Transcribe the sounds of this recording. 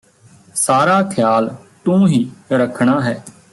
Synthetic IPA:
saːɾaːkʰjaːlt̪ũːɦiːɾəkʰɳ̃aːɦɛː

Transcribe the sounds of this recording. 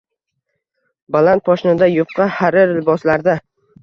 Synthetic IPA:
balant̪̚pɒʃɪnɪd̪ajʊqːɑhaɾɪɾɪlbɒslaɾd̪a

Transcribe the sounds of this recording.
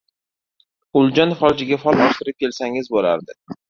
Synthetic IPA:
ʊlˠd͡ʒɒnfɒlˠd͡ʒɪɡʲafɒlˠɒʃt̪ɪɾɪp̚kʲʰe̞lsaŋɪzbola̰ɾd̪ɪ

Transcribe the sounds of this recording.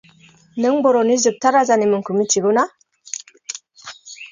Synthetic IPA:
nɨŋbɔɾonizɨk̚t̪aɾazanimɯŋkumit͡ʃiɡuna

